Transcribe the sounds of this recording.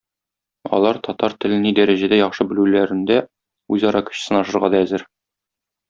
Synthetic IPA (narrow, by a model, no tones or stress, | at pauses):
ɒ̰lˠɑɾt̪ɒt̪ɑɾt̪ɘ̆lɘ̆nid̪æɾæʑæd̪æjɒχʃɤbɘ̆lʉlæɾɘ̆nd̪æ | ʉzɒɾɑkɵ̥̆ɕ̆sɤnɒʃɤ̆ɾʁɑd̪ɒæzɘɾ